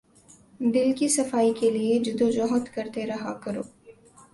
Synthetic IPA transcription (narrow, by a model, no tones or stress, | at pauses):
d̪ɪlkisɐfaːikelied͡ʒɪd̪od͡ʒɔːɦət̪kɐɾt̪eɾɐɦakɐɾo̰ː